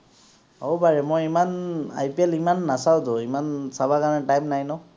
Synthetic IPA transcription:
owbaɹɛmɔjimana̰jpɛlimanːasawtʊimansabakanɛtajmnajnɔ

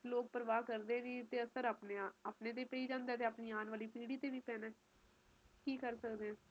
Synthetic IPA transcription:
loːk̚pəɾəʋaːkəɾd̪eːniːt̪eːəsəɾaːpneaaːpneːt̪̬eːpəiːd͡ʒãːnd̪eːt̪̬eːəːpniːaːnʋaːliːpiːɽiːt̪eːʋiːpɛːnɛː | kiːkəɾsəkd̪eːɛ̃ː

